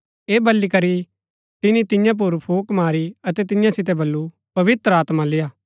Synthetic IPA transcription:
eːbɐlːikɐɾi | t̪ɪnĩt̪ɪ̃jãp̬ʊɾpʰoːkmaːɾiɐt̪ɛt̪ɪjãsɪt̪̬ɛbɐlːu | pɐʋɪt̪ɾəaːt̪mãlɪjaː

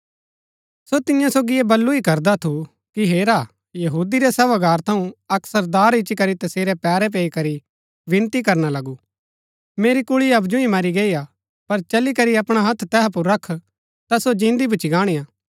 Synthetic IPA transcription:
sot̪ɪjãsoːɡieːbɐlːuikɐɾd̪at̪ʰu | kiɦeːɾa | jɐɦuːd̪iɾɛsɛːʋaɡaːɾt̪ʰɐũɐksəɾd̪aːɾɪt͡ʃːikɐɾit̪ɐseːɾɛpɛːɾɛp̬eːikɐɾi | ʋɪ̃nt̪ikɐɾnalɐɡu | meːɾikʊɭiɐbd͡ʒʊ̃ĩmɐɾiɡeːia | pɐɾt͡ʃɐlikɐɾiɐpɽ̃aɦɐt̪ʰt̪ɛːɦp̬uɾːɐkʰ | t̪asod͡ʒɪ̃ːnd̪ibʊt͡ʃiɡaːɽ̃ijaː

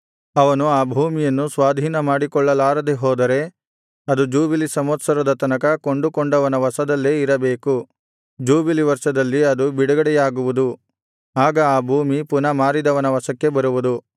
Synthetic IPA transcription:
ɐʋɐnuaːbʱuːmijɐnːusʋaːd̪ʱiːnɐmaːɽikɔɭːɐlaːɾɐd̪eɦɔːd̪ɐɾe̞ | ɐd̪ud͡ʒuːbilisɐmɐt̪sɐɾɐd̪ɐt̪ɐnɐkɐkoɳɖukoɳɖɐʋɐnɐʋɐsɐd̪ɐlːe̞ːiɾɐbeːku | d͡ʒuːbiliʋɐɾʂɐd̪ɐlːiɐd̪ubiɽɐɡɐɽɛjaːɡuʋud̪u | aːɡɐaːbʱuːmipunɐmaːɾid̪ɐʋɐnɐʋɐsɐkːe̞bɐɾuʋud̪u

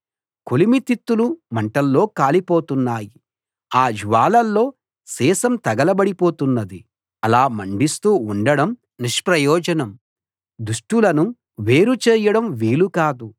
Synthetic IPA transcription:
kolimit̪it̪ːulumɐɳʈɐlːo̞ːkaːlipo̞ːt̪unːaːji | aːd͡ʒiʋaːlɐlːo̞ː | sɛːsɐmt̪ɐɡɐlɐbɐɽipo̞ːt̪unːɐd̪i | ɐlaːmɐɳɖist̪uːuɳɖɐɽɐm | niʂpɾɐjɔːd͡ʒɐnɐm | d̪uʂʈulɐnu | ʋe̞ːɾut͡ʃɛːjɐɽɐmʋiːlukaːd̪u

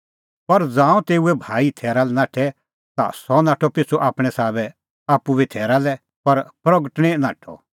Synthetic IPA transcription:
pɐɾd͡zãːũt̪eːuɛbʱaːit̪ʰɛːɾalɛnaːʈʰɛ | t̪a̰sɔnaːʈʰɔpɪt͡sʰuʔaːpɽ̃ɛsaːbɛ | aːpːubit̪ʰɛːɾalɛ | pɐɾpɾɐɡəʈɽ̃ɛnaːʈʰɔ̰

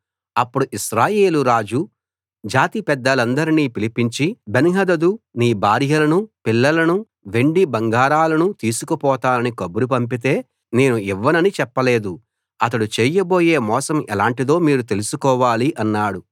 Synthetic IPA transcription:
ɐpːuɽuʔiʃɾaːje̞ːluɾaːd͡ʒu | d͡ʒaːt̪ipɛd̪ːɐlɐnd̪ɐɾiniːpilipiɲt͡ʃibenɦɐd̪ɐd̪uniːbʱaːɾjɐlɐnupilːɐlɐnu | ʋe̞ɳɖibɐŋɡaːɾaːlɐnut̪iːsukɐpɔːt̪aːlɐnikɐbuɾup̬ɐmpit̪e̞ː | ne̞ːnuiʋːɐnɐnit͡ʃɛpːɐle̞ːd̪u | ɐt̪ɐɽut͡ʃeːjɐbo̞ːje̞ːmɔːsɐmɛlaːɳʈid̪o̞ːmiːɾut̪e̞lusukɔːʋaːliʔɐnːaːɽu

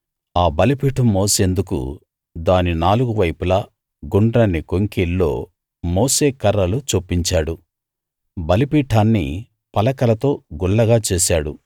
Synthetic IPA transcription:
aːbɐlipiːʈɐmoːse̞ːnd̪ukṵ | d̪aːninaːluɡuʋɐjpulɐ | ɡuɳɖɾɐnːikoŋkilːo̞̰ː | moːse̞ːkɐɾːɐlut͡ʃoːpːiɲt͡ʃaːɽu | bɐlipiːʈʰaːnːḭ | pɐlɐkɐlɐt̪o̞ːɡuɭːɐɡaːt͡ʃeːsaːɽu

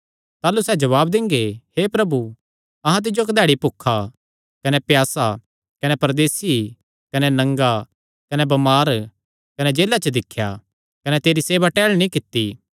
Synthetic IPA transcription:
t̪aːlusɛːd͡ʒɐβaːb̚d̪ɪ̃ŋɡehepɾɐbu | ɐɦãt̪̬ɪd͡ʒokd̪ɛːɽipʊkʰːa | kɐnɛpjaːsa | kɐnɛpɐɾd̪eːsi | kɐnɛnɐ̃ŋɡa | kɐnɛbɐmaːɾ | kɐnɛd͡ʒeːlat͡ʃəd̪ɪkʰːja̰ | kɐnɛt̪eːɾiseːbaʈɛːɭnĩkɪt̪ːi

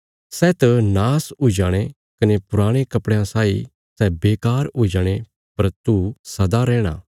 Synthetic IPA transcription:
sɛːt̪ɐnaːsud͡ʒaːɽ̃e | kɐnepʊɾaːɽ̃ekɐpɽjãsaːi | sɛbeːkaːɾud͡ʒaɽ̃e | pɐɾt̪usɐd̪aɾɛːɽ̃a̰ː

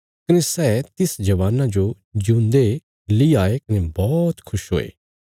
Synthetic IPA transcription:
kɐnesɛːt̪ɪsd͡ʒɐʋaːnãd͡ʒo | d͡ʒũːnd̪e | liaːekɐnebɔːt̪kʰʊʃɦo̰ːḛː

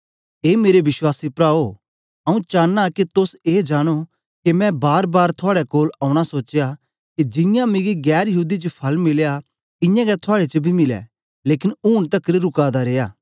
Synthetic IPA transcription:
eːmeːɾebɪswaːsipɾaːo | ɐːũt͡ʃaːnːakit̪ʊseːd͡ʒaːɽ̃o | kemɛ̃baːɾbaːɾt̪ʰʊaːɽɛkoːlaːʊɽ̃asoːt͡ʃja | kid͡ʒɪ̃jãmɪ̃ɡiɡɛːɾjɐɦuːd̪it͡ʃəpʰɐlmɪlja | ɪ̃jãɡɛt̪ʰʊaːɽet͡ʃəbʱimɪlɛ̰ | leːkɪnuːɽ̃t̪ɐkɾiɾʊkaːd̪aɾeːjaː

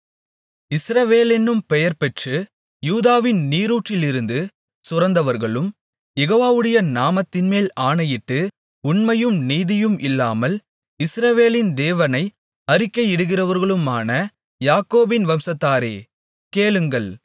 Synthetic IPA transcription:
ɪsɾɐʋeːlɛnːɯmpɛjɐɾpɛʈrɯ | juːðaːʋɪnniːɾuːʈrɪlɪɾɯnd̪ɯ | sʊrɐnd̪ɐʋɐɾɣɐɭɯm | jɛɣoːʋaːʋɯɽɐjɐnaːmɐt̪ːɪnmeːlaːɳɐjɪʈːɯ | ʊɳmɐjɯmniːðɪjɯmʔɪlːaːmɐl | ɪsɾɐʋeːlɪnd̪eːʋɐnɐɪ | ɐɾɪkːɐjɪɽɯɣɪrɐʋɐɾɣɐɭɯmaːnɐ | jaːkoːbɪnʋɐmsɐt̪ːaːɾḛː | keːlɯŋɡɐɭ

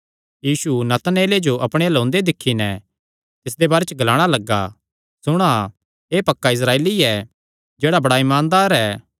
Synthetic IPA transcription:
jiːsunɐt̪neːled͡ʒoʔɐpɽ̃elõːnd̪ed̪ɪkʰːinɛ | t̪ɪs̬d̪ebaːɾet͡ʃəɡɐlaːɽ̃alɐɡːa̰ | sʊɽ̃a | eːpɐkːaɪs̬ɾaːeːliɛ | d͡ʒeːɽabɐɽaɪmaːnd̪aːɾɛ

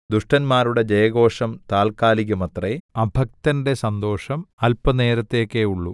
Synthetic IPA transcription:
d̪uʂʈɐnmaːɾuɽe̞d͡ʑɐjɐɣo̞ːʂɐmt̪aːlkaːliɣɐmɐt̪reɐbʱɐk̚t̪ɐnde̞sɐnd̪o̞ːʂɐmɐlpɐne̞ːɾɐt̪ːekːeuɭːṵ

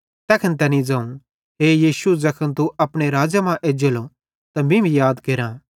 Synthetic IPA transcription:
t̪ɛːkʰənt̪ɛnĩd͡zãːũ | ɦeːjiːsuzɐkʰənt̪uɐpɽ̃eɾaːd͡ʒamãʔeːd͡ʒəlo | t̪ɐmĩbʱijaːd̪keɾãː

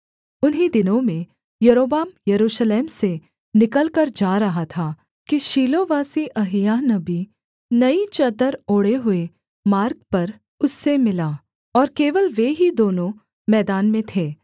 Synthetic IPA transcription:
ʊnɦid̪ɪnõmẽ | jɐɾoːbaːmjɐɾuːʃleːmse | nɪkəlkəɾd͡ʒaːɾɐɦat̪ʰaː | kiʃiːloʋaːsiʔɐɦjanɐbi | nɐit͡ʃɐd̪əɾoːɽeɦʊe | maːɾk̚pɐɾ | ʊsːemɪlaː | ɔːɾkeːʋəlʋeɦid̪oːnõ | mɛːd̪aːnmẽt̪ʰeː

